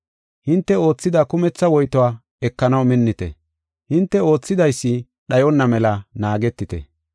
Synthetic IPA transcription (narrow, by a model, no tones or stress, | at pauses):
hɪnt̪ːɛo̞ːt͡sːɪd̪ɐkʊmɛt͡sːɐwɔjt̪ɔaː | ɛkːɐnɐwmɪnːɪt̪ɛ̰ | hɪnt̪ːɛo̞ːt͡sːɪd̪ɐjsːɪ | ɗɐjɔnːɐmɛlɐnaːɡɛt̪ːɪt̪ɛ̰